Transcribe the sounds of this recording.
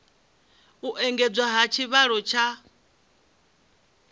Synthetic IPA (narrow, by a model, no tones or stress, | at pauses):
uʔɛŋɡɛd͡zʷwaɦat͡ʃʰiβaɺɔt͡ʃʰa